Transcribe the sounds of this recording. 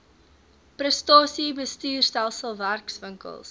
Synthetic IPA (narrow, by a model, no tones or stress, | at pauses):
prɾəstɑːsibəstyːrstælˠsəlˠværksvəŋkə̰lˠs